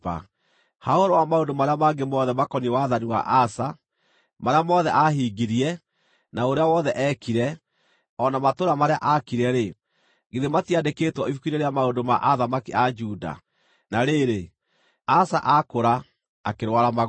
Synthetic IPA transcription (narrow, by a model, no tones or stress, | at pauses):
a̰ | haoɾowamaondomaɾeamaɡemɔðɛmakɔniewaðaniwa̰ʔasa | maɾeamɔðɛʔaɦiːɡiɾiɛ | naoɾeawɔðɛʔɛkiɾɛ | ɔnamatoɾamaɾeaʔakiɾɛɾe | ɡeðematiadeketwɔifukiɾeɾeamaondoma̰ʔaðamakiʔad͡ʒuda̰ | naɾeɾe | asaʔakoɾa | akeɾwaɾama